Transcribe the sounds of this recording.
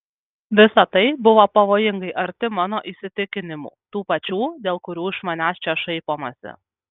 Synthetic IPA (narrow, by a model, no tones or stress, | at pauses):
ʋʲɪsɐt̪ɐɪbʊʋoːpɐʋoːjɪŋɡɐɪʔɐɾʲt̪ʲɪmɑːnoːʔiːsʲɪt̪ʲɪkʲɪnʲɪmṵːt̪uːpɐt͡ʃʲuːd̪ʲeːlˠkʊɾʲuːɪʃmɐnʲæːst͡ʃʲɛʃɐɪpoːmɐsʲɪ̰